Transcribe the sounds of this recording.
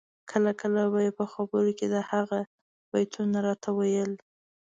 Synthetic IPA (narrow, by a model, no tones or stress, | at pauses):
kʰəlakʰəlabajepəxabəɾoked̪əhaɣa | bajt̪ʰunaɾɑt̪ʰawajəl